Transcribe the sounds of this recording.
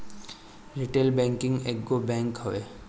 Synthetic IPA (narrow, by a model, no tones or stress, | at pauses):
ɾiʈeːlbɛ̃ːŋkɪ̃ŋɡeːkɡobɛ̃ːŋkɦoeː